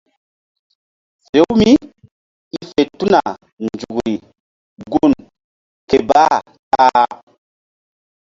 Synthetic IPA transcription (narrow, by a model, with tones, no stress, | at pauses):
fe˨wmi˦ | i˦fe˨tu˦na˨ | nd͡ʒu˨ɡɾi˨ | ɡu˦˨n | ke˨ba˦ | ta˦